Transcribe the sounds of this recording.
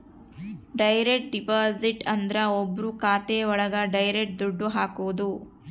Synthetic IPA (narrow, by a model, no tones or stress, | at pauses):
ɖɐjɾeʈ̚ɖipaːziʈɐnd̪ɾɐobːɾukaːt̪eɔɭɐɡɐɖɐjɾeʈ̚d̪uɖːuɦaːkuʋud̪u